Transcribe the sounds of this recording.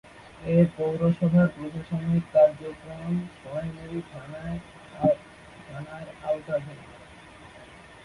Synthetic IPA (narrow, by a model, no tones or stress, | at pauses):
epowɾoʃɔbʱaɾɡɾod̪ʱoʃonikaɾd͡ʑokɾonʃɔneɾiʈ̪ʰanae | d̪ʰanaeɾalt̪abʱe